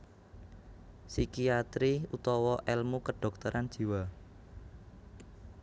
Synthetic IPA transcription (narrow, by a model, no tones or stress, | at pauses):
sikiat̪ɾiut̪ɔwɔʔɛlmukəɖ̥ɔ̤k̚t̪əɾʔan̥ʒ̥i̤wa